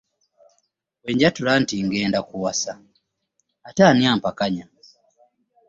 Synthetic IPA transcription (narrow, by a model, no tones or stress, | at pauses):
weɲɟatulantiŋɡeːndakuwasa | ataːniaːmpakaɲa